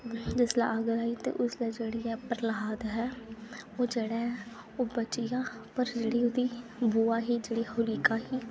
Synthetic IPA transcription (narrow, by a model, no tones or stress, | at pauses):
d͡ʒɪsla̰ːəɡəlaːiːt̪ḛːʔʊslaːd͡ʒeːɽiːɛːpəɾəlaːd̪ɦɛːoːd͡ʒeːɽaːɦɛ | oːbət͡ʃijaːpəɾd͡ʒeːɽiːod̪iːbuːaːɦiːd͡ʒeːɽiːhʊliːkaːɦiː